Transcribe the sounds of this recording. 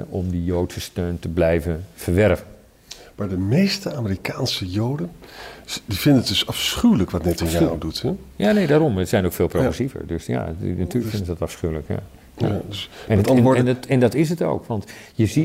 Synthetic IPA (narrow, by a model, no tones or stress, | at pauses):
ʔɔmdijoːtsəstøːntəblɛjvənfərʋɛrvən | maːɹdəmejstəaːmərikaːnsəjowdən | divɪndənədɵsɑfsχywləkʋɑtnɛtɪnjaːdutɛjaːnejdaːɾɔmətsɛjnokfeːlˠproɣrəsivə̰rdøsja̰natyːlkəfɪndəzədɔtɑfsχywləkja̰ | a̰asɛn | ɛndɔtɪs̬əto̰ːkʋɑntjəzi